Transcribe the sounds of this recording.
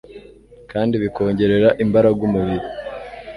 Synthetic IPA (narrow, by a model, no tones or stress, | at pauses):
kaːndiβiko̞ːɲɟe̞ɾe̞ɾaʔimbaɾaɡumuβiɾi